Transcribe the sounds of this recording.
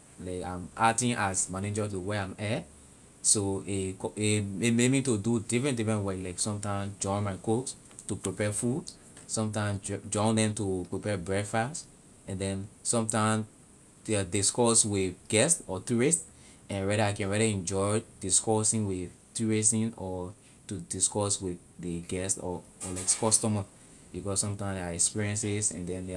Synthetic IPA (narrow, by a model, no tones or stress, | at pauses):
laɪkã̰matĩnʔasmaned͡ʒatuweãmɛ | soekɔemememitududifɹɛ̃ntdifɹɛ̃nwaɪlaɪksɔ̃mtãɪ̃msd͡ʒɔ̃ɪ̃nmaɪkot | tupɹipɛfud | sɔ̃mtãɪ̃md͡ʒɔ̃ɪ̃ndɛ̃mtupɹipɛbɹɛfast | ɛ̃ndɛ̃nsɔ̃mtãɪ̃m | ɛdiskɔswiðɡ̥ɛstɔtuɹist | ɛ̃nɹɛɾəaɪkɛ̃nɹɛɾəɛ̃nd͡ʒɔɪjdiskɔsĩŋwið | tuɹisĩnɔ | tudiskɔswiðdəɡɛstɔ | lakskɔstɔmə | b̥ikɔssɔ̃mtãɪ̃maɛkspiɹiɛ̃nsisɛ̰̃ndɛ̃nde